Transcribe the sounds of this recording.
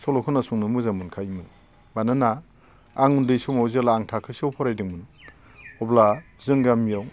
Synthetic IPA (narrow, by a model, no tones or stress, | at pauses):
sɔlɔkʰɯnasuŋnɯmɯzamɯnkʰajmɯn | banɯnaː | ŋundɯjsumawzelaŋtʰakʰɯsawpʰɔɾajdɯŋmɯn | ɔblazɯŋɡamijaw